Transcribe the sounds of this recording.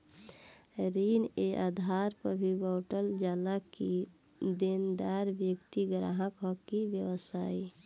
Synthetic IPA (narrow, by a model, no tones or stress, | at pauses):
ɾiːneʔaːd̪ʱaːɾpəbʱibɔːʈəld͡ʒaːlaki | d̪end̪aːɾbjəkt̪iɡɾa̰ɦə̃kɔkiʋjəwəsaːi